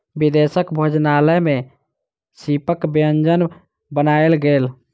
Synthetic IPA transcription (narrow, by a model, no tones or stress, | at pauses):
bid̪esəkbʱəd͡ʒnaːləmẽ | sipəkbeənd͡ʒən | bənaːelɡeːl